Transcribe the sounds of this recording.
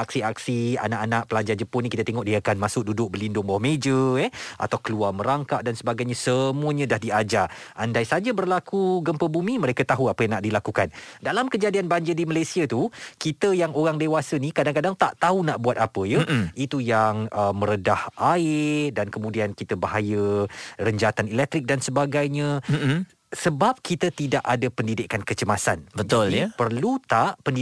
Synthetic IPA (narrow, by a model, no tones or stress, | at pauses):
ʔak̚siaksia̰naʔanaʔ̚pəlad͡ʒad͡ʒəpʊnikit̪ət̪eŋɔʔ̚diaakanmãsʊk̚dudʊk̚bəlindʊŋbawmed͡ʒəɛa̰t̪awkəluarmə̃ɾaŋkaʔ̪̚dansəbaɡajɲãsəmuəɲãdahdiad͡ʒaʔandajsad͡ʒabərlakuɡəmpəbumiməɾekət̪aɦuapəjaŋnaʔdilakukandalamkəd͡ʒadianbaɲd͡ʒədimalajsiat̪ukit̪əjaŋoɾaŋdewasənikadaŋkadaŋt̪aʔt̪aunaʔbuat̪̚apəjəit̪ujaŋəmə̃ɾədahʔaɪdankəmũdiankit̪əbaɦajərəɲd͡ʒat̪anilɛk̚t̪ɾɪk̚dansəbaɡajɲã | səbap̚kit̪ət̪idaʔadapəndidɪkankət͡ʃəmasa̰nbətd͡ʒalpərlut̪aʔpəndi